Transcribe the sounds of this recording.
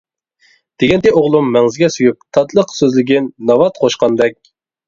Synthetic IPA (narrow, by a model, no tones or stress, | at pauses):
d̪̥eɡʲɛnt̪ɪoʁlˠumːɛŋzɪɡʲɛsyjyp̚t̪ʰɑt̪lˠəqsøzlɪɡʲɪnːɑvɑt̪qʰoʃqɑnd̪ɛk̚ʲ